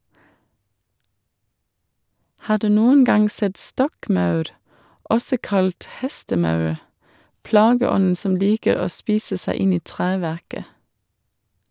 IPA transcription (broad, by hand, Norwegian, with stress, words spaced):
ˈhɑː ˈɖʉː ˈnuːən ˈɡɑŋ ˈsɛt ˈstɔkˌmɑʉɾ ˈʔɔsɔ ˈkɑlt ˈhɛstəˌmɑʉɾ ˈplɑːɡəˌɔnn̩ ˈsɔm ˈliːkəɾ ˈoː ˈspiːsə ˈsæɪ ˈɪn ˈiː ˈtʁeːʋæʁkə